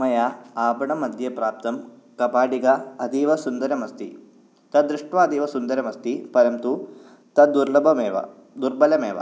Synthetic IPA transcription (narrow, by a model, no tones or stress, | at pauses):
mɐjaaːbɐɳɐmɐd̪ʱjɐpɾaːp̚t̪ɐm | kɐpaːɖiɡɐɐd̪iʋɐsund̪ɐɾɐmɐst̪i | t̪ɐd̪ɾuʂʈʋaːd̪ʱiʋɐsund̪ɐɾɐmɐst̪ipɐɾɐmt̪u | t̪ɐd̪uɾlɐbʱɐmeːʋɐ̰ | d̪uɾbɐlɐmeːʋɐ̰